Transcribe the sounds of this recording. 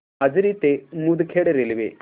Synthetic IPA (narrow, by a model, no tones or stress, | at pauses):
ɐd͡zɾit̪emud̪kʰeːɽeɾeliʋe